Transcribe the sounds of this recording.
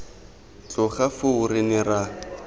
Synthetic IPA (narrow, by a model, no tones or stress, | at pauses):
t͡ɬʊχafʊʊɾɪnɪra